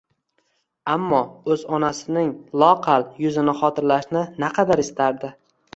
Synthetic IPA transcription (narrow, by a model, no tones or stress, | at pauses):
amːɒɵzɒnasɪnɪŋlˠɒqʰɑljʊzɪnɪχɒt̪ʰɪɾlaʃnɪnaqʰɑd̪aɾɪst̪ʰaɾd̪ɪ